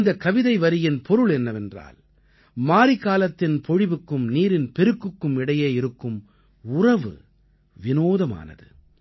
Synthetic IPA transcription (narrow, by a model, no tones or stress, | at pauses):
nd̪ɐkːɐʋɪðɐɪʋɐɾɪjɪnpʰɔɾɯɭɛnːɐʋɛndra̰ːl | maːɾɪkaːlɐt̪ːɪnpɔɻɪʋɯkːɯmniːɾɪnpɛɾɯkːɯkːɯmɪɽɐjeːjɪɾɯkːɯm | ʊrɐʋɯ̰ | ʋɪnoːðɐma̰ːnɐ̰ðɯ̰